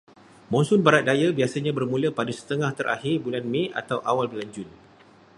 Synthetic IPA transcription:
mɔ̃nsʊnbaɾat̪̚dajabiasaɲãbərmũləpadasə̥t̪əŋãht̪əɾʔa̰hɪrbulanmẽa̰t̪awʔawalbəland͡ʒʊn

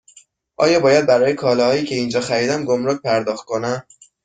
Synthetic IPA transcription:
ʔɒːjɒːbɒːjæd̪̚bæɾɒːjekʰɒːlɒhɒːjiːcʰe̞iːnd͡ʒɒːxæɾiːd̪æmɡomɾoc̚pʰæɾd̪ɒːxt̪̚kʰo̞næm

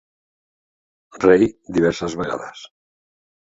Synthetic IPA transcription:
rejd̪iβ̞ɛɾsəzβeɣa̰ða̰s

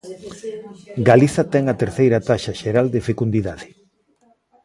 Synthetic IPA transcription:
ɡaliθɐt̪ɛŋɐt̪eɾθejɾɐt̪aʃɐʃeɾald̪efekund̪iðaðɪ

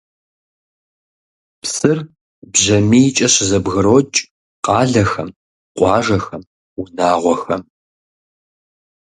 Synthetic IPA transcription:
psɨr | bʑɐmiːt͡ʃʼɐɕɪzɐbɣɨɾoːt͡ʃʼ | qɑːɮɐxɐ̰m | qʷʼɑːʒɐxɐm | unaːʁʷɔxɐm

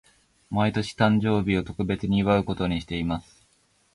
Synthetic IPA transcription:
mait̪o̞ɕi̥t̪ãɲ̟d͡ʑo̞ːbʲio̞t̪o̞kɯ̟be̞t͡sɨɲ̟iːβaɯ̟ko̞t̪o̞ɲ̟iɕi̥t̪e̞imasɨ̥

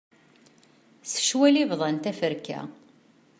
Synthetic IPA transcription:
sə̥ʃwælivðˤɑnt̪æfəɾkæ̰

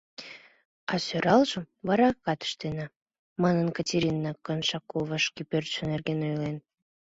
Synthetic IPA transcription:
ɑsøɾɑlʒəm | βɑɾɑkːɑt̪ə̥ʃt̪enɑ | mɑnənkɑtʲeɾʲinːɑkənʃɑkoβəʃkipørt̪ʃə̆nerɡenojlen

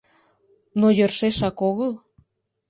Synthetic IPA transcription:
nojərʃeʃɑkoɣəl

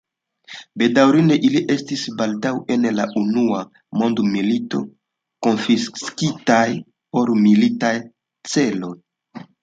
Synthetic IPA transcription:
be̞dawɾineʔiliʔe̞stisbaldawʔe̞nlaʔunua | mo̞ndmilito̞̰ | ko̞nfisskitaj | po̞ɾmilitaj | t͡se̞lo̞j

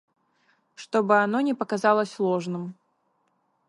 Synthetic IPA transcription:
ʂt̪ɔbɨanɔnʲɛpɐkazalˠɐsʲlˠɔʐnɨm

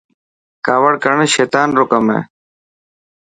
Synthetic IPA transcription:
kaːʋəɽkəɳʃeːt̪aːnɾʊkəmḛː

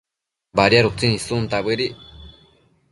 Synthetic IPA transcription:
baɾjaɾut͡sinĩsunt̪aβɨɾi

